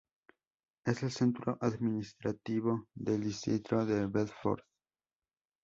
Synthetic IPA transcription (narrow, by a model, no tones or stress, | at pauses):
eselsent̪ɾoʔaðminist̪ɾat̪iβoðeld̪isit̪ɾoðeβelfo̰ɾð